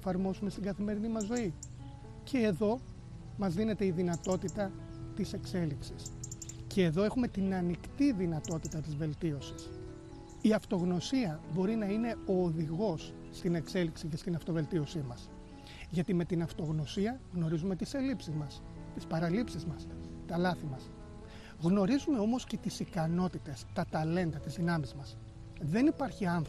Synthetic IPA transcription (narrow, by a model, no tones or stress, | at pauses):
fɐɾmo̞sume̞st̪iɡɐθime̞ɾinimɐzːo̞i | cʰe̞ːðo̞ | mɐzðine̞t̪e̞iðinɐt̪o̞t̪it̪ɐ | t̪ise̞kse̞liksisce̞ːðo̞e̞xume̞t̪inɐnikt̪iðinɐt̪o̞t̪it̪ɐt̪izve̞lt̪io̞si̥s | iɐft̪o̞ɣno̞siɐbo̞ɾinɐine̞o̞ːðiɣo̞sː | t̪ine̞kse̞liksice̞st̪inɐft̪o̞ve̞lt̪io̞simɐs | ʝɐt̪ime̞t̪inɐft̪o̞ɣno̞siɐɣno̞ɾizume̞t̪ise̞lipsizmɐs | t̪ispɐɾɐlipsizmɐs | t̪ɐlɐθimɐs | ɣno̞ɾizume̞o̞mosce̞t̪isikɐno̞t̪it̪e̞st̪ɐt̪ɐle̞nd̪ɐt̪izðinɐmizmɐs | ðe̞nipɐɾçiɐnθ